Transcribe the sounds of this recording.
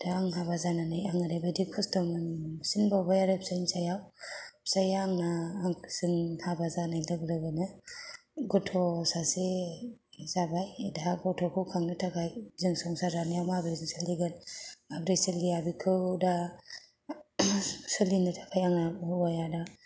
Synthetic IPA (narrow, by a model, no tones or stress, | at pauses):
d̥aːŋɦabazananajaŋɯɾajbadikʰɔstɔmɯnsinbawbajaɾap̚sajnsajawp̚sajaŋnaːŋsɯŋhabazanajlɯɡlɯɡɯnɯ | ɡɔtʰɔsase | zabajdaɡɔtʰɔkʰɯwkʰaŋnɯtʰakʰajzɯŋsɔŋsazanijawmabɾezɯŋsaliɡanabɾesilɡiabikʰɯwda | sɯlinɯtʰḁkʰajaŋnabhbajada